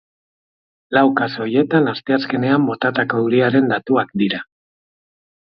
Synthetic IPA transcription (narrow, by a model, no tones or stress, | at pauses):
lawkaso̞je̞t̪anast̪e̞aske̞ne̞ambo̞t̪at̪ako̞uɾiaɾe̞nd̪at̪uakd̪iɾa